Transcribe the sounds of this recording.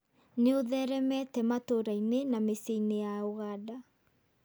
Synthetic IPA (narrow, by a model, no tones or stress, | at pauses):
neoðɛɾɛmɛtɛmatoɾainenameseinejaoɣada